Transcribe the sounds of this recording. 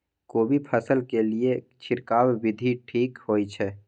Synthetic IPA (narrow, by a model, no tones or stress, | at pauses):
kobʱipʰəsəlkelie | t͡ʃʰɪɾkawːid̪ʱiʈʰiːkhojt͡ʃʰɛ